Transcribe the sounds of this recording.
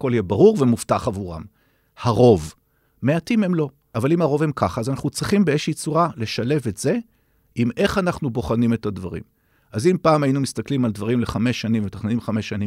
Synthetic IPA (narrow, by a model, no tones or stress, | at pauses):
ko̞ljebaʁuʁvemuftaχavuʁa̰m | haʁo̞v | meatimhemlo̞ | ʔavalimhaʁo̞ve̞mkʰaχaːzanaχnut͡sʁiχimbeeʃit͡suʁale̞ʃale̞ve̞tz̥e̞ | ʔime̞χanaχnubo̞χanime̞tadvaʁḭm | azimpaːmajinumist̪aklimald̪vaʁimle̞χameʃːanimvet̪aχninimχameʃːanim